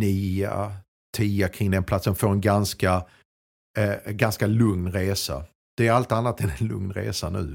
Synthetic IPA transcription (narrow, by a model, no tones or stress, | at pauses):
niːa̰ | t̪ʰiːakʰɾɪŋd̪ɛnpʰlat̪səmfoːɾɛnɡanska | ɡanskalɵŋnɾeːsa̰ | d̪̥ɛːɾalt̪anːat̪ɛnɛnlɵŋnɾḛːsanʉ̟̰ː